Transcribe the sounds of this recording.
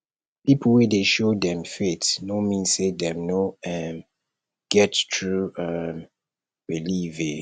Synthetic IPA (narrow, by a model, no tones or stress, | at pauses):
pipəwɛdeʃodɛ̃mfetnomĩnsedɛ̃mnoɛm | ɡ̥ɛttʰɹuam | ɹilive